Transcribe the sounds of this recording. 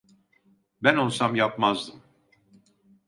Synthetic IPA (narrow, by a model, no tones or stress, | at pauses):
bænonˠsamjapmazd̪ɯm